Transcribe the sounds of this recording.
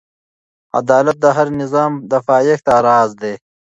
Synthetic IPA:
ɐ̰d̪aːlɐt̪̚d̪əɦɐɾnɪzɑːmd̪ɐfɑːjext̪aɾɑːzd̪eː

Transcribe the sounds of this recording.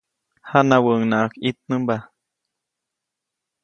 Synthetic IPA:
hanawəŋnaʔkit̪̚nɨmba

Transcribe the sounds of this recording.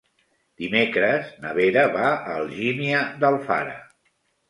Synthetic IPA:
d̪̥imekɾəznəβeɾəβaəlˠʒiniəðəlˠfa̰ɾə̰

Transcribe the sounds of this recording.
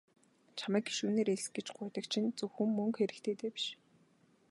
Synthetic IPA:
t͡ɕʰaməːki̥ʃuːneːɾeɮsɡĕt͡ɕɢʊːt̪ə̆k̚t͡ɕʰint͡sɵwxɵ̆mːɵŋkxeɾɘ̆kt̪ʰeːt̪eːpi̥ʃ

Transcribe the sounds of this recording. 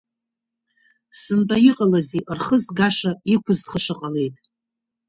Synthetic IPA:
sɨntʼajiqʼalaziʔrχəzɡaʂaikʷʰʊzχəʂɨqʼale̞jtʼ

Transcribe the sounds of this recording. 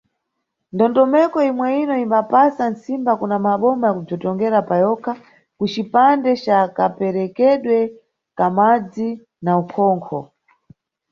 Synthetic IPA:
ndɔntɔmɛkɔimwɛinɔimbapasansimbakunamaɓɔmajakub͡ʐɔtɔŋɡɛɾapajɔkʰa | kut͡ʃipandɛt͡ʃakapɛɾɛkɛɗwɛ | kamad͡zi | naukʰɔːŋkʰɔ

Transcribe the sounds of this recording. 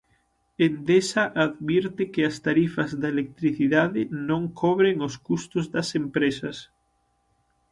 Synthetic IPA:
end̪esaʔaðβjeɾt̪ekeast̪aɾifazðaelek̚t̪ɾiθiðaðenõŋkʰoβɾeŋoskust̪ozðasempɾesas

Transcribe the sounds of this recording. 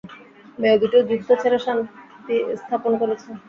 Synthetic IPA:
meod̪uʈod͡ʑuk̚t̪ʰot͡ɕʰeɾaʃant̪ist̪ʰaponkoɾet͡ɕʰe

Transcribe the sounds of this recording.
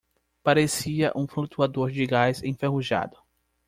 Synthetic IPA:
paɾesiɐʔũfɾut̪uad̪oɾd͡ʒɪɡajzẽj̃feɦuʒa̰d̪ʊ

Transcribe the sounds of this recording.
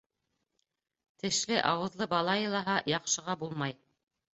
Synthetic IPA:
t̪ɘ̆ʃlɘʔɑwɤ̆ðlˠɤbɑlˠɑjɤ̆lˠɑɦɑjɑqʃɤ̆ʁɑbulˠmɑj

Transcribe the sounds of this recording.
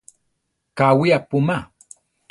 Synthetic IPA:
kawiapʊma

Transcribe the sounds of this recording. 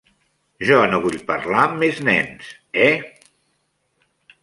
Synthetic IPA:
ʒɔnoβuʎpəɾlamːeznɛ̰ns | ɛ

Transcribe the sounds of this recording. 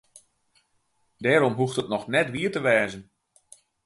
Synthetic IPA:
dɛːɾɔmɦuxtətnɔxnɛtʋiətəʋɛːzən

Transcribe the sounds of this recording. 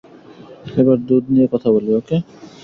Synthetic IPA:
ebaɾd̪ud̪niekɔt̪ʰaboleoke

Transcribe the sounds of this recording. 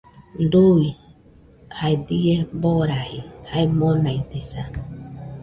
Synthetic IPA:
nd̪ui | haed̪ieboɾahihaemõnait̪esa

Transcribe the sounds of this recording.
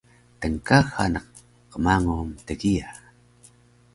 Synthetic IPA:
təŋkaxanəq̚ | qːəmaŋumtəɡia

